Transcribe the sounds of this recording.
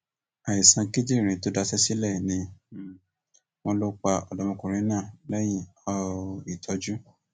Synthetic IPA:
a˨i˨sã˨˧ki˦d͡ʒi˦˨ɾ̃ĩ˨˦to˦da˧sɛ˦si˦lɛ˦˨nĩ˧ | mɔ̃˧lo˦k͡pa˧ɔ˨dɔ˨˧mɔ̃˧kũ˨ɾ̃ĩ˨˦nã˦˨lɛ˦jĩ˦˨a˦i˨tʰɔ˨˦d͡ʒu˦

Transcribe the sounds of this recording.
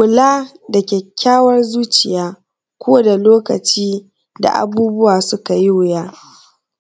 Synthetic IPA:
kʷʊ˨laː˦ | dɐ˨kʲɛ˨kʲːaː˦wɐ˦rzuː˦t͡ʃɪ˨jaː˦ | kʷʊ˦wda˨loː˦kɐ̰˨t͡ʃiː˦ | da̰˨ʔa̰˨buː˦bʊ˦waː˨sʊ˦ka˨ji˦wʊ˨jaː˦

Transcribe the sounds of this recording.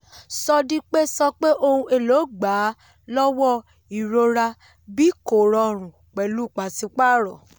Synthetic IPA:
sɔ˧dĩ˦k͡pe˦sɔ˧k͡pe˦ʔo˧hũ˧e˧˨lo˨˦ɡ͡ba˨˦ | lɔ˦wɔ˦˨ | i˨ɾo˧ɾa˧ | bi˦ko˨ɾɔ˧ɾ̃ũ˨ | k͡pɛ˨lu˨˦˨k͡pa˨si˨˦k͡pa˦˨ɾɔ˨

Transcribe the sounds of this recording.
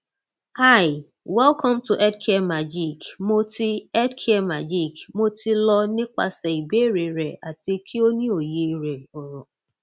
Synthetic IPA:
ha˦˨ɪ˨ | wɛ˦lkʰɔ̃˦˨mtu˨ʔɛ˦dkʰɛ˦ma˨d͡ʒi˦˨kmo˧ti˧ɛ˦dkʰɛ˦ma˨d͡ʒi˦˨kmo˧ti˧lɔ˧nĩ˦k͡pa̰˧sɛ˨i˨be˦˨ɾe˨˦ɾɛ˨a˨ti˧kʰi˦o˦nĩ˦o˨je˨˦˨ɾɛ˨ɔ˨ɾɔ˨

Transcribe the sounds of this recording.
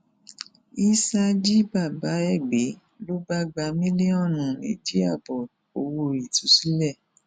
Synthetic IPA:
i˦sa˦d͡ʒi˦ba˦˨ba˨˦ɛ˦˨ɡ͡be˨˦ | lo˦ba˦ɡ͡ba˧mĩ˦le˦ɔ˦˨nũ˨nḭ̃˨˦di˦a˦˨bɔ˨ | o˨wo˧˨ɾi˨tu˨˦si˨˦lɛ˦˨

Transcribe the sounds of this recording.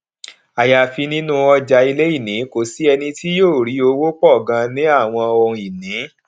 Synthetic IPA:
a˨ja˨fi˧nĩ˦nũ˦ɔ˧d͡ʒa˧i˧le˦i˦˨nĩ˨˦ko˨si˦ɛ˧nĩ˧ti˦joː˦˨ɾi˨˦o˧wo˦k͡pɔ˦˨ɡã˧nĩ˦a˦˨w̃ɔ̃˧ɔ̃˧i˨nĩ˨˦

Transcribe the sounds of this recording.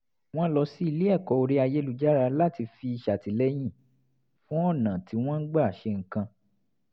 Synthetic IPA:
w̃ɔ̃˦lɔ˧˦si˦i˧li˦ɛ˦˨kɔ˨˦o˧ɾi˦a˧je˦lu˨d͡ʒa˦ɾa˧la˦ti˧fi˧i˧ʃa˨ti˨lɛ˦j̃ĩ˦˨ | fũ˦ɔ˦˨nã˨tʰi˨˦w̃ɔ̃˦n̩˦ɡ͡ba˦˨ʃe˧ŋ̩˨kã˧

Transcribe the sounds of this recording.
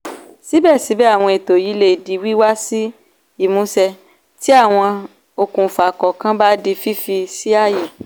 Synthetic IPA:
si˨˦bɛ˦˨si˨˦bɛ˦a˦˨w̃ɔ̃˧i˨to˨ji˨˦le˧i˨di˨˦wi˦wa˦si˦ | i˦˨mũ˨˦sɛ˧ | ti˨˦a˦˨w̃ɔ̃˧ | o˧kũ˨fa˨kɔ˨kã˦ba˦di˧fi˦fi˧si˦a˦˨je˨

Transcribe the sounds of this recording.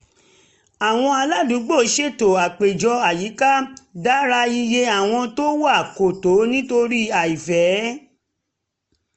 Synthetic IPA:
a˨w̃ɔ̃˧a˧la˦du˨˦ɡ͡bo˦˨˦ʃe˦˨to˨a˨k͡pe˨d͡ʒɔ˧a˨ji˨˦ka˦da˦ɾa˧i˧je˧a˦˨w̃ɔ̃˧to˦wa˦˨ko˨to˨˦nĩ˦to˧ɾi˦a˨i˨fɛ˨˦

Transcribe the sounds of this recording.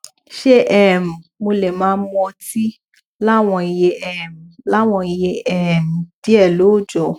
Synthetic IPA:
ʃe˦ʔɛ˦˨m̩˨mo˧le˨mãː˨˦˧mɔ̃˧ti˦ | la˦˨w̃ɔ̃˧i˧je˧ɛ˦˨m˨la˦˨w̃ɔ̃˧i˧je˧ɛ˦˨m̩˨d̥i˨˦ɛ˦˨lo˨˦˨d͡ʒɔ˨

